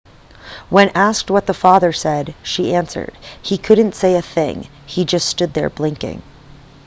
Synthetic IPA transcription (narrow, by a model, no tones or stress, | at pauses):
wə̃nʔæsk̚t̚wʌt̪̚ðəfɑðə˞sɛdʃiʔæ̃nsə̰˞d̥hikʰʊdⁿn̩tseɪɨθɪ̰̃ŋ | id͡ʒʌststʊd̪̚ðə̰˞blɪ̃ŋkɪ̰̃ŋ